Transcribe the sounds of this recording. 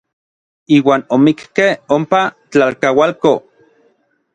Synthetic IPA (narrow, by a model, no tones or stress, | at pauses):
iːwaːnomikkehompa | t͡ɬalkawalko